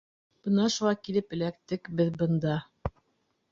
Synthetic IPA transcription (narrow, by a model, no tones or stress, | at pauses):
b̥ɤnɑʃuʁɑkilɘpɘ̆lækt̪ɘkbɘðbɤ̆nd̪ɑ